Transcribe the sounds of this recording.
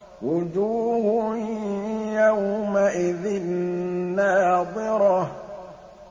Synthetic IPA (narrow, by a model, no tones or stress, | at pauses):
wʊd͡ʒuːhʊ | jawmaʔɪðɪnː | aːðɪɾɔ